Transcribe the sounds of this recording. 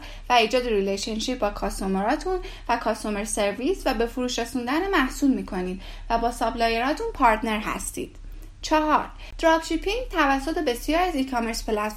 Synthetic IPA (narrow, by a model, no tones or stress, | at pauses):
væiːd͡ʒɒːd̪eɾileʃenʃiɾ̚bɒːkʰɒːst̪omeɾɒːt̪ʰun | vækʰɒːst̪omeɾse̞ɾvisvæbe̞fuɾuːʃɾesund̪ænemæhsuːlmiːkʰo̞niːd̪ | væbɒːsɒːblɒːjeɾɒːt̪ʰunpʰɒːɾt̪ʰne̞ɾɦæ̰st̪ḭːd̪̥ | t͡ʃʰɒɦɒɾ | d̪̥ɾɒb̥ʃipʰiŋɡt̪ʰævæsːot̪ʰe̞be̞sijɒːɾiæzikʰome̞ɾspʰelæt̪